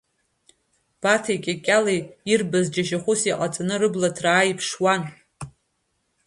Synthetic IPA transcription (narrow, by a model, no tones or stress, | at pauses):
b̥atʰajkʲʼakʲʼaleirbazd͡ʒaʃaχʷʊsiqʼat͡sʼanɨrɨblatʰraːjipʰʂwan